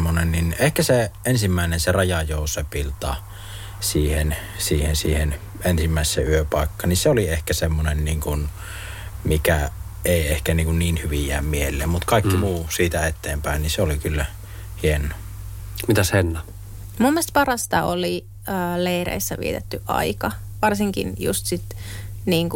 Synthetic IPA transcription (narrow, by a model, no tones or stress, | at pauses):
mːonenninehkæseensimːæˑenenserɑjɑjoˑusepilt̪ɑ̰ | siːhen | siːhensiːhen | ensimːæˑesːeyøpɑˑekːɑːninseoliehkæsemːonenniːŋkun | mikæ | eˑiehkæniːŋkunniːnhyʋijˑæ̰ːmmielːˑḛːmmut̪kɑˑikːimuːsiːt̪æet̪ːˑeːmpæˑenniseolikylːæ | hienˑo | mit̪æshenːɑ | mumːiest̪̚pɑrɑst̪ɑoli | əːleirḛisːæʋḭet̪et̪ːyʔʔɑ̰ikɑ | ʋɑrsiŋkḭnjṵst̪sit̪niːŋku